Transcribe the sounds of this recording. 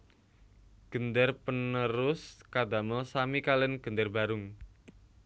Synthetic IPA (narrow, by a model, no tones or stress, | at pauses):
ɡ̥ə̤nd̪ərpənəɾʊskad̪aməsamikalɛnɡ̥ənd̪ərba̤ɾʊŋ